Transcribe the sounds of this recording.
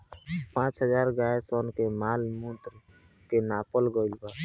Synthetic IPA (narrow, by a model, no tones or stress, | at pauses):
pãːt͡ʃɦəzaːɾɡaːjesɔːnkemaːlmũt̪ɾ | kenaːpəlɡolba